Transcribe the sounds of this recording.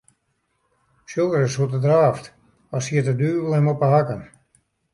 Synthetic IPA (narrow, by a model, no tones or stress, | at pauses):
sjolˠdəɾəsutədraːft | ɔsiətədyːbəl̩ˠɛmɔpəɦakən